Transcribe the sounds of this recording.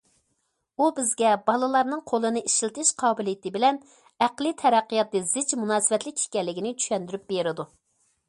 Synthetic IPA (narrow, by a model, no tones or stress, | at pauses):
ubɪzɡʲɛbɑlˠɨlˠɑɾnɨŋqʰolˠɨnɨiʃlt̪ʰɪʃqʰɑːbɨlijɪt̪ɪbɪlɛn | æqlˠɨt̪ʰɛɾæqːɨjɑt̪ːɨzɪd͡ʒmunɑːsɨvɛt̪lɪkʲi̥kʲɛlːɪkʲinɪt͡ʃʰy̥ʃɛnd̪yɾyp̚beɾɪd̪u